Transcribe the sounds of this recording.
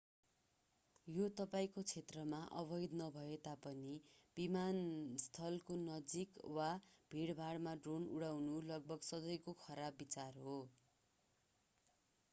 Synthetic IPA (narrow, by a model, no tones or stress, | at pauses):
jot̪ʌpaĩkot͡sʰet̪rʌmaʔʌbʌjd̪nʌbʱʌet̪apʌnib̥imanst̪ʰʌlkonʌd͡zikwab̥ʱiɽbʱaɽmaɖronṵɽawnulʌɡ̚bʱʌɡsʌd̪ʌjkokʰʌɾabːit͡sarɦo